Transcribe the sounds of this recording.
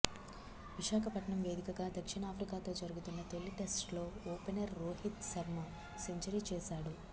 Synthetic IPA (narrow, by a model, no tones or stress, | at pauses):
ʋiʃaːkʰɐpɐʈɳɐmʋe̞ːd̪ikɐɡaːd̪ɐkʂiɳɐaːpʰɾikaːt̪o̞ːd͡ʒɐɾuɡut̪unːɐt̪o̞ɭːiʈe̞sʈlo̞ːoːpenɐɾːoːɦit̪sɐɾma | se̞ɲt͡ʃɐɾit͡ʃɛːʃaːɽu